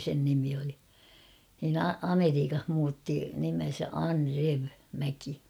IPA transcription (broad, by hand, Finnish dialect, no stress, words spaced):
sen nimi oli nin ɑ̥ ɑmeriːkɑh muːtːi nimen̞sæ ɑnreʋ mæki